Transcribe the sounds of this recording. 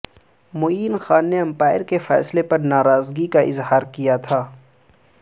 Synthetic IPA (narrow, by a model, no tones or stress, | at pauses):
moːiːnxaːnːeɐ̃mpaːɪɾkefɛ̰ːslepɐɾnaːɾaːzɡikaʔɪ̰zɦaːɾkijat̪ʰaː